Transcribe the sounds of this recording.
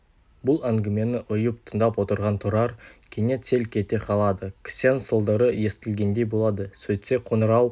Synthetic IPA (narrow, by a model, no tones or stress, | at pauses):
bʊlˠæŋɡʲɪme̞nɪʔʊjəp̚t̪ʰənd̪ɑpwo̞t̪əɾʁɑnt̪ʰuɾɑɾkʲʰene̞t̪se̞lkʲʰe̞t̪e̞qʰɑlˠɑd̪əkʲʰɪ̥sensəlˠd̪əɾəje̞st̪ɪlɡʲe̞nd̪e̞jbo̞lˠɑd̪əsɵt̪se̞qʰo̞nəɾɑw